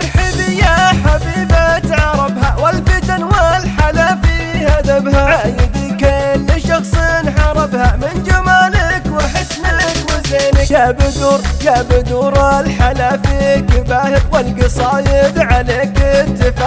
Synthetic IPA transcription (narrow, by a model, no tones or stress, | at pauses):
ħɪbijaħafiːbat̪ʕɑɾˤɑbhawɪlbit̪anwalħalaːfihad̪abhaʕajɪd̪ikalːɪʃɑxsˤinħɑɾˤɑbhamɪnd͡ʒamaːlakwɪħɪsːmɪɪkwɪzeːnɪjabɪd̪uːɾjabɪd̪uːɾalħalaːfiɡɪbaːhɪkwɪlɡɨsˤɑːjɪd̪ʕaleːkɪt̪ːɪfaː